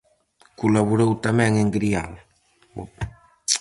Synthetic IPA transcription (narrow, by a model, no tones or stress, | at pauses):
kulaβuɾowt̪amɛŋeŋɡɾial